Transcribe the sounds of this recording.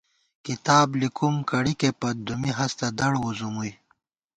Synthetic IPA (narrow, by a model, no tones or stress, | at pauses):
kit̪aːblikumkɐɽikepɐd̪umiɦɐst̪ɐd̪ɐɽwuzumuj